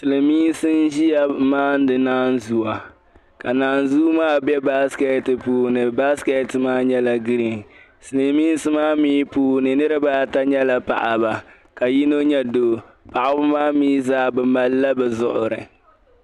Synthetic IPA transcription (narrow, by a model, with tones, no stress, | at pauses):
sɨ˨lɨ˨miː˦n˦sɨ˦nʒi˦ja˦maː˦n˦dɨ˨naː˦nzu˨wa˨ | ka˨naː˨˦nzuː˦maː˦bɛ˦ba˦skɛ˦tɨ˨puː˨nɨ˨ba˦skɛ˦tmaː˦ɲɛ˦la˨ɡi˦ɾi˨n | sɨ˨lɨ˨miː˦n˦sɨ˦maː˦miː˦puː˨˦nɨ˨nɨ˦ɾɨ˦baː˦ta˦ɲɛ˦la˨pa̰˨ʔa˨ba˨ | ka˨ji˦no˦ɲɛ˦doː˨ | pa˨ʔa˨bʊ˦maː˦miː˦zaː˦bɛ˨ma˨lːa˦bɛ˨zʊ˨ʔʊ̰˨ɾɨ̰˨